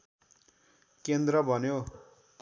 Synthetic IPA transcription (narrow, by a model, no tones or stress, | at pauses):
kend̪rʌbʱʌnjo | p